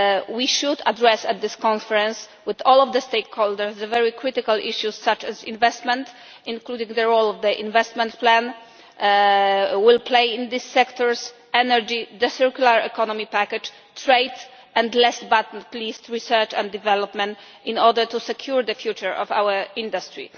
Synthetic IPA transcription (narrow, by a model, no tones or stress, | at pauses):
wiʃud̪adɹɛsɛt̪̚d̪ɪskɔ̃nfɛɹɛ̃ns | wɪðɔlɔvd̪əst̪ejkhɔld̪əɹsd̪əvɛɹikɾɪt̪ɪkalʔiʃjusːat͡ʃɛzḭ̃nvɛst̪mɛ̃nt̪ | ĩnklud̪ĩŋɡd̪əɹolɔvd̪əʔḭ̃nvɛst̪mɛ̃nt̪plæ̃n | wilpʰlejĩnd̪isːɛkt̪ɔɹs | ɛnɛɹd͡ʒid̪əsɛɹkjulaɹɛ̰kɔnɔmipakɛd͡ʒ | tɹejd̪ | ʔɛ̃nd̪lɛsbat̪n̩plist̪ɹisɛ˞t͡ʃɛ̰̃nd̪ːivɛlɔpmɛ̃nt̪ | ĩnɔɾdəɹt̪usɛkʰjuɹd̪əfjut͡ʃəɹɔva̰wəĩnd̪ast̪ɹḭ